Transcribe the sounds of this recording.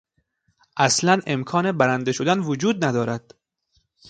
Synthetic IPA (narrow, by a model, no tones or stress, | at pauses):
ʔæslæne̞mkʰɒːne̞bæɾænd̪eʃod̪ænvod͡ʒuːd̪̚næd̪ɒːɾæd̪̥